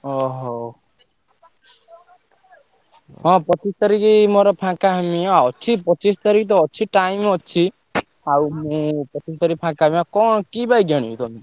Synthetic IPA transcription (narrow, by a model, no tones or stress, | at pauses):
ɔɦɔ | ɦɔ̃pɔt͡ʃist̪aɾikimɔɾɔpʰãkaɦamĩaɔt͡ʃʰipɔt͡ʃist̪aɾikit̪̬ɔːt͡ʃʰiʈaimɔt͡ʃʰi | awmũpɔt͡ʃist̪aɾikipʰãkamiakɔɳ̃kibajɡaɽ̃iut̪ɔmi